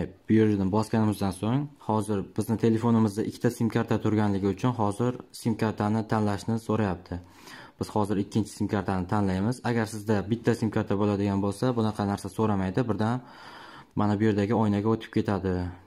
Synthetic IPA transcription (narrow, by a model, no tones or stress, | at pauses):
bjoɾd̪ɪnbɒskʲanɪmɪzd̪ansoŋhɒzɪɾb̥ɪznɪt̪ʰe̞le̞fonɪmɪzd̪aʔɪkʲʰːt̪ʰasimkʰʲaɾt̪ʰat̪ʰʊɾɡʲanlɪɡʲɪʊt͡ʃʰʊnɦɒzɪɾsimkaɾt̪ʰanɪt̪ʰanlaʃnɪsoɾajap̚t̪ʰɪ | b̥ɪz̥hɒzɪɾɪkʲʰːɪnt͡ʃʰɪ̥simkʰʲaɾt̪ʰanɪt̪ʰanlajmɪzaɡʲaɾsɪzd̪abɪt̪ʰːasimkʰʲaɾt̪ʰabolad̪ɪɡʲanbolˠsabʊnɑqʰɑnaɾsasoɾamajd̪ɪbɪɾd̪an | manabʊje̞ɾd̪aɡʲɪɒjnaɡʲaot̪ʰɪ̥p̚kʰʲe̞t̪ʰad̪ɪ